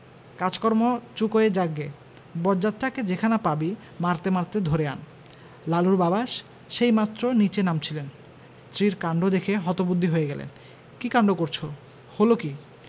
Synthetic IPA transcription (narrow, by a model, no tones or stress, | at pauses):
kad͡ʑkɔɾmot͡ɕukoed͡ʑaɡːe | bɔd͡ʑat̪̚ʈaked͡ʑekʰanapabi | maɾt̪emaɾt̪ed̪ʱoɾea̰n | laluɾbabaʃː | ejmat̪ːɾonit͡ɕenamt͡ɕʰilen | st̪ʰɾiɾkaɳɖod̪ekʰeɦɔt̪obud̪ʱːiɦojeɡɛlḛn | kikaɳɖokoɾt͡ɕʰo | holoki